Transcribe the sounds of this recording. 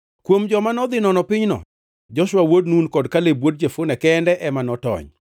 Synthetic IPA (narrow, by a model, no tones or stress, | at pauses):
kwomd͡ʒɔmanɔd̪ɪnɔnɔpɪɲnɔ̰ | d͡ʒɔʃwawodnunkɔdkalebwod̚d͡ʒefʊnɛkɛndɛʔɛmanɔtɔ̰ɲ